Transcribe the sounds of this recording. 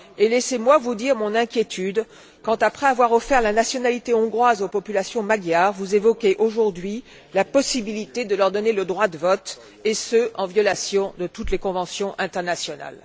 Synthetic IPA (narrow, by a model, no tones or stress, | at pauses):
elɛsemwavud̪iʁmɔ̃nɛ̃kʲjet̪ʰyd̪ | kɑ̃t̪apχɛavwaʁɔfɛʁlanasjɔnalit̪eɔ̃ɡʁwazopɔpylasjɔ̃maɡjaʁvuzevɔkʲeʔoʒuʁd̪ɥi | lapɔsibilit̪ed̪əlœʁd̪ɔneləd̪ʁwad̪əvɔt̪ | esøɑ̃vjɔlasjɔ̃d̪ət̪ut̪lekɔ̃vɑ̃sjɔ̃ʔɛ̃t̪ɛʁnasjɔna̰l